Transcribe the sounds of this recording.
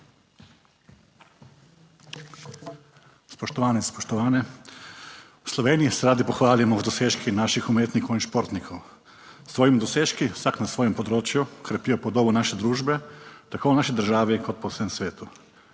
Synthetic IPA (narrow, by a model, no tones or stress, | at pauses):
spoʃt̪oʋaːnispoʃt̪oʋaːne | uslˠoʋeːnijiseɾaːd̪ipoxʋaːlimod̪oseʃkʰinaʃixumeːt̪nikoiʃpo̞ɾt̪nikʰo | sʋojimd̪oseʃkisaknasʋojempod̪ɾoːt͡ʃjukɾepiopod̪obunaʃed̪ɾuːʒbet̪akʰounaʃid̪ɾ̩ʒaːʋikʰod̪̚posemsʋeːt̪u